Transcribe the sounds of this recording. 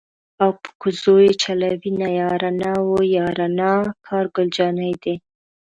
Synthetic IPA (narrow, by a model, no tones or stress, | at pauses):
awpə̥kʊzojet͡ʃalawinajɑɾanɑwojɑɾanɑkʰɑɾɡʊld͡ʒɑnajd̪e